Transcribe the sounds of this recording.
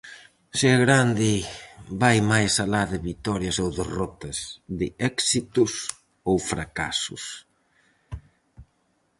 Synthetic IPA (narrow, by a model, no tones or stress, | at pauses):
sɪaɣɾand̪ɪbajmajsalaðɪβit̪ɔɾjɐsowðerɔt̪ɐsðɪɛksit̪ʊs | owfɾaka̰sʊ̰s